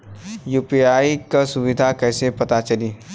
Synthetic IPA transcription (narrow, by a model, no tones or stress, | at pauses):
juːpiaːikasʊʋɪd̪ʱakɛːsepɐt̪at͡ʃɐliː